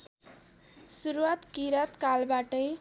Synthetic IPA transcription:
suɾuwat̪kiɾat̪kalbaʈʌj

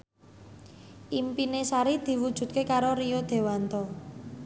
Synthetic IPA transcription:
ʔimpinesaɾid̪̥i̤wud̥ʒ̥ṳt̪̚kekaɾoɾijod̪̥e̤want̪ɔ

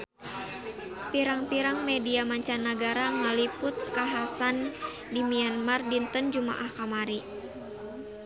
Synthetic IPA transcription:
piɾaŋpiɾaŋmɛdiamaɲt͡ʃanːaɡaɾaŋalipʊt̪̚kaɦasan | dimianmardint̪ɔnd͡ʒuma̰ʔahkamaɾi

